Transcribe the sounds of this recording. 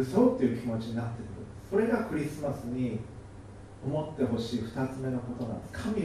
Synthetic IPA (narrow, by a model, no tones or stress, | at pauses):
ɯsoːt̪ːe̞iɯ̟kʲimo̞t͡ɕiɲ̟inat̪ːe̞kɯ̟ɾɯ̟̰̃nd̪esso̞ɾe̞ɡakɯ̟ɾʲisɨmasɨɲ̟i | o̞mo̞t̪ːe̞ɦo̞ɕiːɸɯ̟̥t̪at͡sɨme̞no̞ko̞t̪o̞nã̰nd̪eskʰamʲi